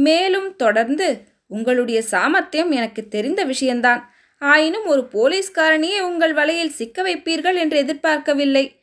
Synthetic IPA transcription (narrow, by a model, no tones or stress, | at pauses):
meːlɯmt̪ɔɽɐɾnd̪ɯ | ʊŋɡɐɭɯɽɐjɐsaːmɐt̪ːɐjɐmɛnɐkːɯt̪ːɛɾɪnd̪ɐʋɪʂɐjɐnd̪aːn | aːjɪnɯmɔɾɯpoːliːskaːɾɐɳɪjeːʊŋɡɐɭʋɐlɐjɪlsɪkːɐʋɐɪpːiːɾɣɐɭɛndrɯɛðɪɾpaːɾkɐʋɪlːɐɪ